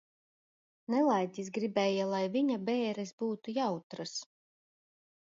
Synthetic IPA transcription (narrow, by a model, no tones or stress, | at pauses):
nɛlˠajt̪ʲisɡɾibɛːjalˠajviɲabɛːɾɛsbuːt̪ujawt̪ɾas